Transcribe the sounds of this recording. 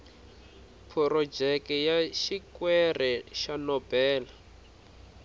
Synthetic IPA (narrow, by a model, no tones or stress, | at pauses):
pʰɔrɔd͡ʒɛkɛjaʃikwɛrʔɛʃanɔb̥ɛːla